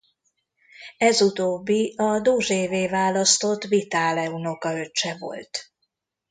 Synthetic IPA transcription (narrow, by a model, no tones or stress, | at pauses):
ɛzut̪oːbːiɒd̪oːʒeːveːvaːlɒst̪o̞t̪vit̪aːlɛuno̞kɒøt͡ʃːɛvo̞̰lt̪